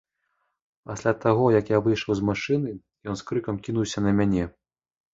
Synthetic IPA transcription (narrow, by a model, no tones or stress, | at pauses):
pasʲlʲat̪aɣɔjɐkjavɨjʂɐwzmaʂɨnɨ | jɔnskɾɨkɐmkʲin̪uwsʲɐnɐmʲanʲɛ